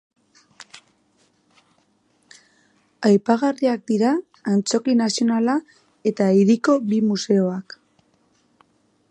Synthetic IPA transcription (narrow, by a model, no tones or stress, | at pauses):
ajpaɣariak̚d̪iɾaː | nt͡so̞kinasio̞nala | e̞t̪aiɾiko̞βimuse̞o̞ak